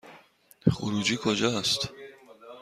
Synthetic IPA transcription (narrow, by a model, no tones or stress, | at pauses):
χṵɾud͡ʒiːkʰod͡ʒɔst̪